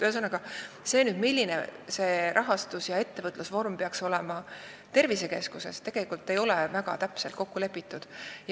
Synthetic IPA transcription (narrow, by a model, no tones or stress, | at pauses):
t̪øɦesɤnɑɡ̥ɑ | se̞ːnyːd̪milʲːinḛse̞ːɾʔɑɦɑst̪usjɑe̞t̪ːe̞vɤt̪lusvo̞rmpeɑkso̞lɛmɑ | t̪e̞rvise̞ke̞skuse̞̰st̪e̞ɡ̥e̞likːˑult̪ːˑe̞jo̞levæɡ̥ɑ̰t̪æpselt̪̚ko̞kːule̞pːˑit̪ːˑud̪̥j